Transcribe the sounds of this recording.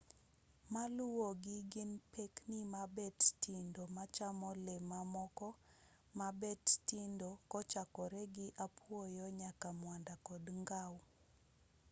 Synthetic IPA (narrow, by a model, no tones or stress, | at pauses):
malʊwoɡɪɡɪnpeknimabɛttindomat͡ʃamɔlɛmamɔkɔ | mabɛttindokɔt͡ʃakɔɾɛɡɪʔapwojɔɲakamwandakɔdŋɡaw